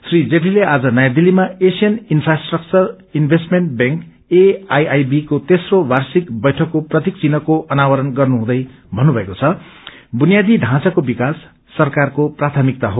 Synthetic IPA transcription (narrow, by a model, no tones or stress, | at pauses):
srid͡zeʈilead͡zʌnʌjad̪ilimaesijʌninpʰrasʈrʌk̚t͡sʌr | inbʱesʈmeɳʈ̚beŋk | eajajbikot̪esrowarsikbʌjʈʰʌkːoprʌt̪ik̚t͡sinʌkoʔʌnawʌɾʌnɡʌrnuɦũd̪ʌj | bʱʌnːubʱʌekot͡sʰʌbunijad̪ʱiɖʱãt͡sakobikasː | ʌrkarkoprat̪ʰʌmik̚t̪aɦo